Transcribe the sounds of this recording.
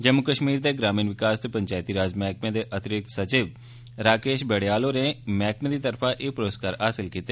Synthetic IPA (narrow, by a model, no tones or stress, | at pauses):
d͡ʒəmʊkəʃmiːɾd̪eːɡɾaːmiːnʋɪkaːst̪opəɲt͡ʃaːɪt̪iːɾaːzmɛːk̚mẽːd̪eːʔət̪ɾɪt̪sət͡ʃɪːʋ | ɾaːkeːʃbɛːɽejaːloːɾẽːmɛːkmẽːd̪iːt̪əɾpʰãːʔeːpɾoːskaːɾɦaːsɪlkiːt̪ːeː